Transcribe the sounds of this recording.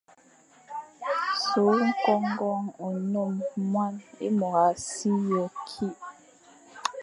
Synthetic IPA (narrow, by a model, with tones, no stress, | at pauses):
so˨˦ŋ̩˦kɔ˦ŋɡɔ˦ŋu˨no˦˨mːwa˦nḛ˦mɔ˨ɣa˨si˦jɔ˨kʰi˦ʔ